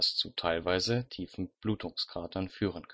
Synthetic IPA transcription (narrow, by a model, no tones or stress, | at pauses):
ast͡suːtʰaɪlvaɪzətʰiːfn̩b̥luːtʰʊŋsɡ̥ʁaːtʰɐnfyːʁənkʰ